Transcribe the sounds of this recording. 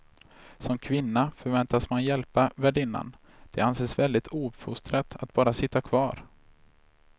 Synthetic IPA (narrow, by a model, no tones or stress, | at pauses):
sɔmkʰvɪnːafœɾvɛnt̪asmanjɛlpavæɖɪnːa̰n | d̪̥ɛanseːsvɛld̪ɪt̪ʰuːbfɵst̪ɾat̪ʰat̪̚b̥ɑːɾasɪt̪ːakʰvɑːɾ